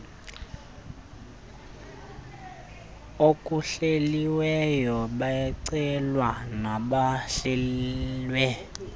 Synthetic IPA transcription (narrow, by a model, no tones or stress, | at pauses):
okʼuɬeliwɛjɔɓajɛǀɛlwanaɓaɬɛlwɛ